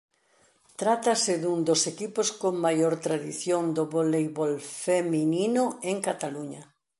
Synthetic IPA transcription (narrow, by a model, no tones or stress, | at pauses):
t̪ɾat̪asɪðund̪osekiposkoŋmajoɾt̪ɾaðiθjond̪oβolejβolfemininoeŋkat̪aluɲa